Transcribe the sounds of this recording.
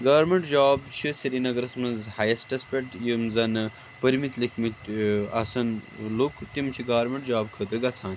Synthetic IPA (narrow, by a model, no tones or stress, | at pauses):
ɡaːɾmeɳʈd͡ʒaːbt͡ʃʰisɐɾinɐɡɐɾɐsmɐnzhajɐsʈɐspʲeʈjumzɐnɨ | pəɾmit̪likʰmit̪ɐsɐnlukʰt̪imt͡ʃʰiɡaːɾmeɳʈd͡ʒaːb̚kʰəd̪ɾɨɡɐt͡sʰãːn